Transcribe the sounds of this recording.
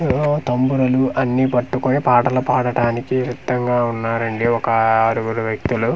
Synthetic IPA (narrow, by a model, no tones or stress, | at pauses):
t̪ɐmbuɾɐluɐnːiːpɐʈːukonipaːɽɐlupaːɽɐʈaːnikiɾid̪ːɐŋɡaːunːaːɾɐɳɖiɔkɐɐɾuɡuɾuʋjɐk̚t̪ulu